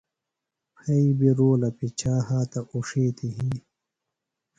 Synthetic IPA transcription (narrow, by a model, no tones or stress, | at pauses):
pʰɐibiɾoːlɐpit͡ɕʰaːhaːt̪ɐʔuʂeːt̪iɦĩː